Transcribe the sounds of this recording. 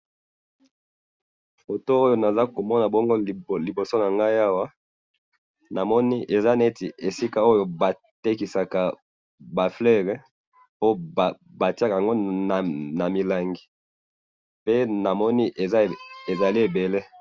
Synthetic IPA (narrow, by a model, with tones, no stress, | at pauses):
fo˨to˦o˦jo˦na˨za˦ko˨mɔ˦na˨bɔ˦ŋɡo˦˨li˨bo˨so˦na˨ŋɡa˦i˦a˦wa˦ | na˨mɔ˦ni˦ʔe˨za˦nae˦ti˨ʔe˨si˦ka˦o˦jo˦ba˨ | te˦ki˨sa˨ka˨ | ba˨flɛ˦ʁɛ˨ | po˦˨ | ba˨ti˦a˦ka˨ja˨ŋɡo˦˨ | na˨mi˨la˨ŋɡi˨ | pe˦na˨mɔ˦ni˦ʔe˨a˦e˨za˨li˦e˨be˨le˦